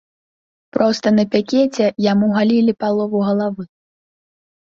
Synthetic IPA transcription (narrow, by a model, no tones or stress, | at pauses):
pɾɔst̪ɐnɐpʲakʲɛt͡sʲɛjamuɣalʲilʲipalˠɔvuɣɐlˠavɨ